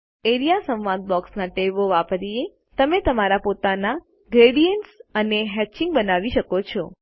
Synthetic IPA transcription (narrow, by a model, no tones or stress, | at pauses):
eɾijasə̃mʋãnd̪̚bɔksnaʈeʋoʋapɾie | t̪əmet̪əmaɾapot̪ana | ɡɾeɽijəɳʈsəneɦɛt͡ʃɪ̃ŋɡbənaʋiʃəkot͡ʃʰɔ